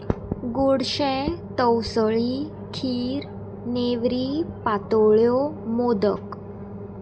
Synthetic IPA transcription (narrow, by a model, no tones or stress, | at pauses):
ɡoɽɕɛ̃t̪əwsəɭi | kʰiːɾ | neʋɾiːpat̪oɭjomod̪ə̰k